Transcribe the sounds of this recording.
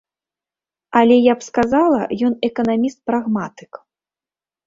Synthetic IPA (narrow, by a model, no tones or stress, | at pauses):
alʲɛjapskazalˠɐ̰jɔnɛkɐnamʲist̪̚pɾaɣmat̪ɨ̥k